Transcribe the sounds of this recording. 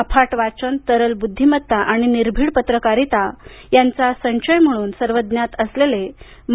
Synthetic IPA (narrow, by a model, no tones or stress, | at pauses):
əpʰaʈʋat͡ɕənt̪əɾəlbud̪ʱːimət̪ːaʔaɽ̃iniɾbʱiːɽpət̪ɾəkaɾit̪a | jant͡sasə̃nɕəjm̤əɽ̃uːnsəɾʋəd̪njat̪əslele | m